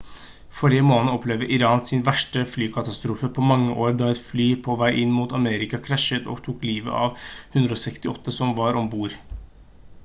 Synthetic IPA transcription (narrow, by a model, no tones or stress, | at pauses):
fɔɾɪəmoːnnəɔpʰlɛʋd̪əʔɪɾɑːnsɪnʋæʂʈəflyːkʰɑt̪ɑst̪ɾuːfəpʰɔmɑŋːəʔoːɾd̪ɑːɛt̪flyːpʰɔʋæɪʔɪnːmuːt̪ɑmeːɾɪkɑkʰɾæʂət̪ɔ̰ːɡt̪ʰuːkliːʋə̰ʔɑ̰ːʋhʉnd̪ɾəoːsɛkst̪ɪɔt̪ːəsɔmʋɑɾɔmbuːɾ